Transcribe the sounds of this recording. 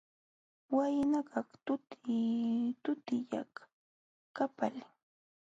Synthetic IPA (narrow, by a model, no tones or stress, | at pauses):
wajnakɑχt̪ʊt̪ɪt̪ʊt̪ɪja̰χ | kapalɪ